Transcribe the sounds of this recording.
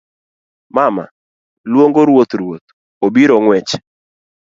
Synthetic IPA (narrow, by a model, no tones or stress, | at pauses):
mama̰ | lwoŋɡoɾwot̪ɾwot̪ | obiɾoŋwɛt͡ʃ